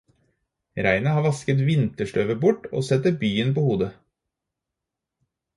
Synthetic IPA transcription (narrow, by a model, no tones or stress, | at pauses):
ɾæɪnəhɑːɾʋɑskət̪ʋɪnt̪əʂʈœːʋəbʊʈo̰ːsɛt̪əbyːənpoːhuːd̪ə